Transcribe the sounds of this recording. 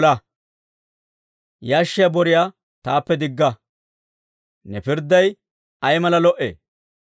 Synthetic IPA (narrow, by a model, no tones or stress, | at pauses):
lɐ | jaːʃːɪjabɔɾɪja | t̪aːpːɛd̪ɪɡːɐ | nɛpɪɾd̪ːɐj | ɐjmɐlɐlɔʔḛː